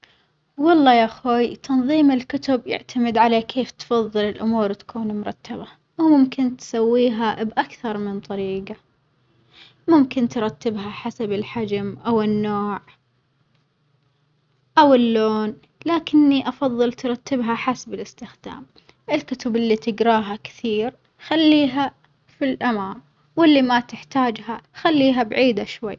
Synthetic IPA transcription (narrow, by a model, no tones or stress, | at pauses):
wɑlˤːɑːjaʔxoːjt̪ɑnðˤiːmɪlkʊt̪ʊbjɪ̰ʕt̪ʰamɪd̪ʕalakʰeːft̪fɑðˤːɨlɪlʔʊmuːɾt̪ḁkʰuːnmʊɾˤɑ̰t̪ːaba | wmʊmkɪnt̪sawːiːɦabʔakθɑɾˤmɪnt̪ˤɑɾiːɡa | mʊmkɪnt̪ɾˤɑt̪ːɪbɦaħasabɪlħad͡ʒmʔawɪnːoːʕ | ʔawɪlːoːn | laːkɪnːiʔɑfɑðˤːɨlt̪ɾˤɑt̪ːɪbɦaħasabɪlɪst̪ɪxd̪̥a̰ːm | ʔɪlkʊt̪ʊbʔɪlːit̪ɪɡɾɑːɦakɪ̥θiːɾ | xalːiːɦa | filʔamaːm | wɪlːimat̪ɪħt̪aːd͡ʒɦaxalːiːɦabʕiːd̪aʃwa̰jː